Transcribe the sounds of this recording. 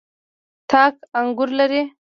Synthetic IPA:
tʰɑːkaŋɡʊɾlaɾi

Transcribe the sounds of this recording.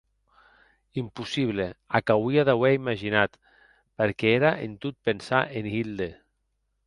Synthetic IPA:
impusiβleakawiaðawɛimaʒinat̪ | peɾkɛeɾaʔent̪ut̪̚pensaʔenɣild̪e

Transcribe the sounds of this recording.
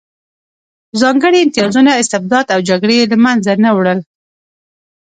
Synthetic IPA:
zɑŋɡəɽiɪmt̪ɪjɑzunaɪst̪ɪb̚d̪ɑd̪awd͡ʒaɡɽelamanzanawɽəl

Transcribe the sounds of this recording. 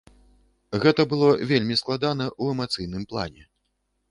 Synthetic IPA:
ɣɛt̪ɐbɨlˠɔvʲelʲmʲisklˠad̪anɐʔuɛmat̪sɨjnɨmplˠa̰nʲɛ

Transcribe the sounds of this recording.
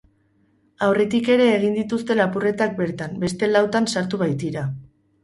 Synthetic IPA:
awre̞t̪ike̞ɾe̞ːɣ̞ind̪it̪ust̪e̞lapure̞t̪ak̚be̞ɾt̪ambe̞st̪e̞lawt̪ansaɾt̪uβajt̪iɾa

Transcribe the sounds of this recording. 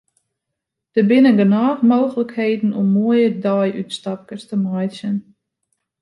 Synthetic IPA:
d̥əbɪnəɡənaːχmoːxələkheːdn̩ɔmːuəjədɔjʔy̰tstɑp̚kəstəmajsən

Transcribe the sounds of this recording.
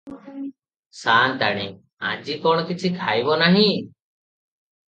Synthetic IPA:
sant̪aɽ̃i | ã̰d͡ʒikɔɽ̃ɔkit͡ʃʰikʰajbɔnaɦĩ

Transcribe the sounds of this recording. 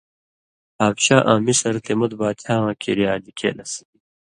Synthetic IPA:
aːbɕaːʔãːmisɐɾt̪emut̪baːt̪ʰaːãːkʰḭɾijaːdikʰḛlɐsi̥i

